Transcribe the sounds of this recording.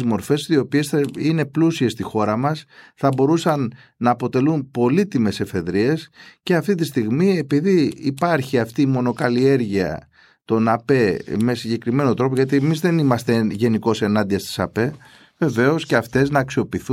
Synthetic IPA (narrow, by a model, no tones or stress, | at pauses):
zmo̞ɾfe̞sio̞pie̞sθɐine̞plusie̞st̪ixo̞ɾɐmɐsθɐbo̞ɾusɐnː | ɐːpo̞t̪e̞lumpo̞lit̪ime̞se̞fe̞ðɾie̞sce̞ɐft̪it̪̬ist̪iɣmie̞piðiːpɐɾçiɐft̪iːmo̞no̞kɐlie̞ɾʝiɐ̰ | t̪o̞nɐpe̞me̞siɲɟe̞kɾime̞no̞t̪ɾo̞poʝɐt̪̬iemizðe̞nimɐst̪eʝe̞niko̞se̞nɐnd̪iɐst̪i̥sɐ̰pe̞ | ve̞ve̞o̞sceɐft̪e̞znɐːksio̞piθu